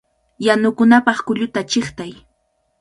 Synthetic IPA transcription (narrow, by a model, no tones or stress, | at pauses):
janʊkʊnapɑχkʊʎʊt̪at͡ʃɪχt̪aj